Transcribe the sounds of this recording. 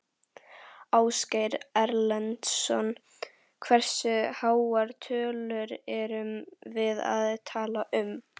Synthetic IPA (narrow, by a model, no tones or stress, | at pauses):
aːwskajɾɛɾlɛnt̪sɔ̰n | kʰvɛr̥sʏhaːwaɾt̪ʰœːlʏɾɛɾʏmvɪða̰ðt̪ʰaːlaʔʏm